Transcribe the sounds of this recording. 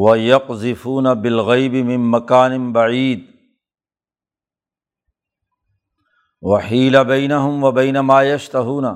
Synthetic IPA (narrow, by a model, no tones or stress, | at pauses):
wɐjɑqzɪfuːnabɪlɣajbɪmɪnmɐkaːnɪnbaʕiːd̪̚ | waħiːlabajnaɦʊmwɐbajnamaːjɐʃt̪aɦuːna